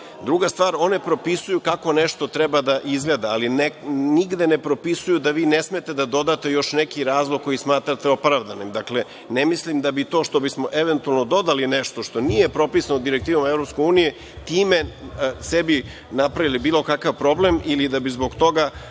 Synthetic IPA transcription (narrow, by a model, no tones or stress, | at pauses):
d̪ɾuɡast̪ʋaːɾo̞ne̞pɾo̞pisujukako̞neʃt̪o̞t̪ɾɛbad̪aʔizɡle̞ːd̪aalineniɡd̪e̞nepɾo̞pisujud̪aʋiːnesmet̪e̞d̪ad̪o̞d̪at̪e̞jo̞ʃnekiɾaːzlˠoɡ̚kːo̞jismaːt̪ɾat̪eo̞pɾaʋd̪animd̪akle̞ | nemislimd̪abit̪o̞ːʃt̪o̞bismoʔeʋent̪ualˠnod̪o̞d̪alineʃt̪o̞ʃt̪o̞nije̞pɾo̞pisanod̪iɾek̚t̪iːʋomaevɾopskouːnije | t̪iːme̞sebi | napɾaʋilibiːlo̞kakaʋpɾo̞blemilid̪abizbo̞ɡt̪o̞ɡa